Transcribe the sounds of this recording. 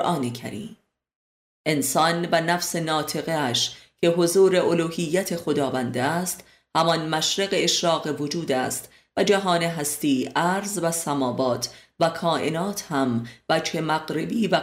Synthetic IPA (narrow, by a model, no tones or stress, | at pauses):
ʔɒːnecʰæ̰ɾiːm | ʔe̞nsɒːnvænæfse̞nɒːt̪ʰe̞ɣeæʃcʰe̞ɦo̞zuːɾe̞ʔoluːhijːæt̪ʰe̞xo̞d̪ɒːvænd̪eæst̪ | hæmɒnmæʃɾeɣeeʃɾɒːɣevo̞d͡ʒuːd̪æːst̪ | væd͡ʒæɦɒːneɦæst̪iːʔæɾzvæsæmɒːbɒːt̪ʰvækʰɒːʔe̞nɒːt̪ʰhæmvæd͡ʒhe̞mæɣɾe̞biːvæ